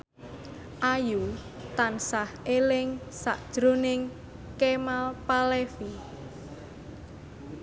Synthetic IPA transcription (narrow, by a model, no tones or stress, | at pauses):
ʔaju | t̪ansahelɪŋsa̰ʔd̥ʒ̥ɾonɪŋ | kemalpalefi